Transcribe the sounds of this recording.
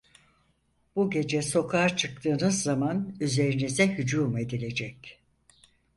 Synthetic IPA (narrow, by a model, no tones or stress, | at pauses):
b̥uɟe̞d͡ʒɛso̞kʰat͡ʃʰɯk̚t̪ʰɯːnɯzːamanyze̞ɾinizɛɦyd͡ʒuːme̞d̪ilʲe̞d͡ʒɛc